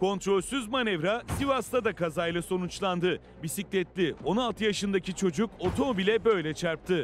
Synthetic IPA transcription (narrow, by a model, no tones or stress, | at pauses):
kʰo̞nt̪ɾo̞lʲsyzmanɛvɾasivast̪ʰad̪akazajlˠaso̞nut͡ʃlˠand̪ɯ | bisiclʲɛt̪lʲio̞nalˠt̪ʰɯjaʃɯnd̪acit͡ʃʰo̞d͡ʒuko̞t̪ʰo̞mobilʲɛbø̞jlʲɛt͡ʃʰaɾp̚t̪ʰɯ